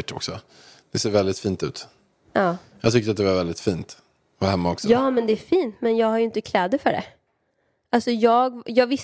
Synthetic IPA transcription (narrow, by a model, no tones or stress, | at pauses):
ʈːɔ̰ksɔ | d̪̥ɛseːɾvɛld̪ɪt̪fiːnt̪ʉ̟̰ːt̪ | ʔɑːjɑ̰ːɡt̪ʏkt̪əɾat̪̚d̪ɛvaɾvɛld̪ɪt̪fiːnt̪ | vaɾhɛmːaɔksɔjɑːmɛnd̪ɛæɾfiːnt̪mɛnjɑːɡhaɾjʏɪnt̪əkʰlɛːd̪əfœɖɛ̰ | alsɔjɑːɡjɑːɡvɪ